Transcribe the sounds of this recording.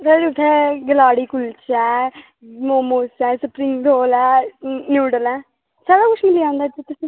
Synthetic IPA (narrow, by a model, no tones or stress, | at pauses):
səːɽiʊt̪ʰːɛːɡəlaːɽiːkʊlt͡ʃɛː | moːmuːsɛːsəpɾɪ̃ŋɡɾoːlɛːnjuːɖəlɛː | saːɽaːkʊt͡ʃʰmɪliːãːnd̪aːd͡ʒit̪ʊsĩː